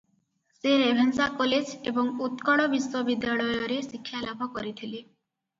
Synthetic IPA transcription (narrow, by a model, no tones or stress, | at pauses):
seɾebʱensakɔled͡ʒebɔŋut̪kɔɽɔbiswɔbid̪jaɭɔjɔɾesikʰːjalabʱɔkɔɾit̪ʰile